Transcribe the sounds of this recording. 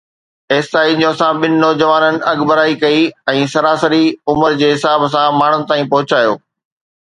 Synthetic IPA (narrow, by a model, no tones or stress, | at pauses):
eːsaːiɲõːsãɓɪnɪnɔːd͡ʑəʋaːnənɪ̆ɐɡbəɾaːikɐiɛ̃ːsɐɾaːsəɾiʊməɾd͡ʑeːɦɪsaːbsãmaːɳ̤ʊnɪ̆t̪aːĩpɐɦʊt͡ɕaːjo̰ː